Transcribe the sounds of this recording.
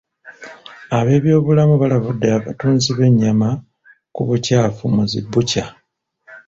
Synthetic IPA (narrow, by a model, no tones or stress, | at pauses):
aβe̞ːβjo̞ːβulamuβalaβudːeaβatuːnziβe̞ɲːama | kuβucaːfumuzḭbːuca